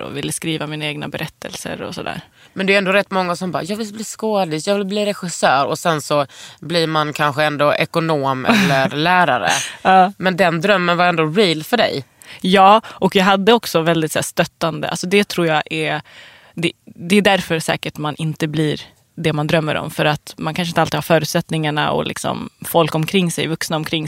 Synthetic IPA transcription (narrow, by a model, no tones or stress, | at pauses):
ɔ̰vɪlːəskɾiːvamiːnaeːɡna̰bɛɾʔɛt̪ʰːə̰lsə̰ɾɔ̰sɔd̪æ̰ːɾ | mɛnd̪ɛɾɛnd̪oːɾɛt̪ːmɔŋːasɔmbɑ̰ːjɑːɡvɪlbliːskoːd̪ɪsjɑːɡvɪlbliːɾɛɧɪsœːɾɔsɛnsɔbliːɾmankʰanɧəɛnd̪oʔɛkʊnoːmɛlːəɾlæːɾaɾə̰ɑːmɛnd̪ɛnd̪ɾœmːənvaɾɛnd̪oːɾiːlfœɖɛ̰j | jɑːʔɔkjɑɦad̪ːəɔksɔvɛld̪ɪt̪sæ̰ːʂt̪œt̪ːand̪ə̰ʔa̰lsɔd̪ɛt̪ʰɾuːjɑʔɛ | d̪ɛd̪ɛɖ̪æɾfœɾsɛ̰ːkəʈmanʔɪnt̪əbliːɾ | d̪ɛmand̪ɾœmːə̰ɾɔ̰mfœɾat̪mankʰanʂ̬ɪnt̪alt̪ɪːɡhaːfœːɾʉ̟t̪sɛt̪nɪŋaɳa̰ɔ̰lʔɪ̰ksɔ̰mfɔlkɔmkʰɾɪŋːsɛ̰jvɵksnaɔmkʰɾɪŋː